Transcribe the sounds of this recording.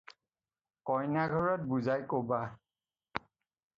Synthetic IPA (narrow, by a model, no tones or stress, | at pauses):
kɔjnaɡʱɔɹɔt̚buzajkoba